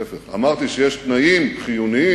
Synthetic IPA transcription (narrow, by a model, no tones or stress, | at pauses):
efeʁa̰maʁt̪iʃejeʃt̪naimχijunii